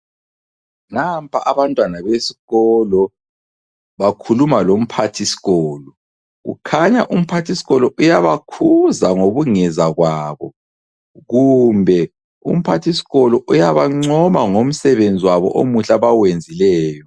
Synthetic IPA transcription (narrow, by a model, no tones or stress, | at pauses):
nampʰaʔaβantʼwanaβesi̥ɣɔlɔ | βakʰulumalom̩pʰatʰisi̥ɣɔːlɔ | ɣṵkʰaɲaʔum̩pʰatʰisi̥ɣɔlɔʔujaβakʰuzaŋoβuŋɛzaɣwaβɔ | ɣumbʱɛ | ṵm̩pʰatʰisi̥ɣɔlɔʔujaβaŋ͡ǀɔmaŋom̩sɛβend͡zʱiwaβɔ̰ʔomuɬaβawend͡zʱilɛːjɔ